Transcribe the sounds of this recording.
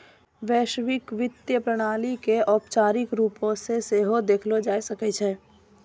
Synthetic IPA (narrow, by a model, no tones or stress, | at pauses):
ʋɛːʃʋɪkʋɪt̪jəpɾəɽ̃aːlikeʔɔːpt͡ʃaːɾɪkɾuːpõseseːɦod̪eːkʰlod͡ʒaːisəkɛt͡ʃʰɛː